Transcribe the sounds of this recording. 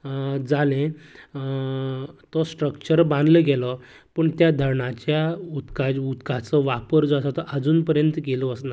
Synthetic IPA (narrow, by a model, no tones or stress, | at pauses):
d͡zalẽ | t̪ɔsʈɾəkt͡ɕəɾbãnd̪ləɡɛlɔ | pəɳt̪jad̪ʱəɾɳat͡ɕjaut̪kaut̪kat͡sɔʋapəɾd͡zasat̪ɔʔad͡zuːnpəɾjənt̪əkelɔəsna